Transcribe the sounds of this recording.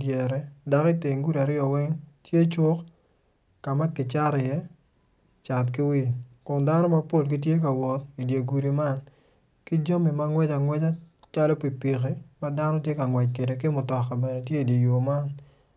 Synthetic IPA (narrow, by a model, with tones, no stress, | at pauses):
djɛ˨ɾɛ˦da˨kɪ˦te˨ŋɡu˦ɾa˨ɾɪɔ˨wɛ˦ŋtje˦t͡ʃwo˦k | ka˨ma˦kɪ˨t͡ʃa˦ɾɛ˨jɛ˦ | t͡ʃa˨tkɪ˦wi˦kʊ˨nda˦nɔ˦ma˦po˦˨lk̬i˦t̬je˦ka˨wɔ˨ti˨dje˨ɡu˨ɾi˨ma˦n | kɪ˦d͡ʒo˦mi˨ma˦ŋwɛ˦t͡ʃa˨ŋwɛ˦t͡ʃa˦ | t͡ʃa˦lɔ˦pi˨pi˨ke˦ma˦da˦nɔ˦tje˦ka˨ŋwɛ˨t͡ʃke˨de˨kɪ˦mʊ˨tɔ˨ka˨bɛ˨ne˨tje˦i˨dje˨jo˨ma˦n